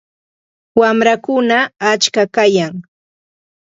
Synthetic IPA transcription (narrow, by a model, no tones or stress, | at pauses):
wamɾakʊnaːt͡ʃkakajaŋ